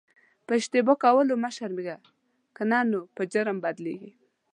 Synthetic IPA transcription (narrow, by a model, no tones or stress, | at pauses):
pəɪʃt̪ɪbokawəlomaʃaɾmiɡa | kənanopəd͡ʒəɾəmbad̪lḛɡi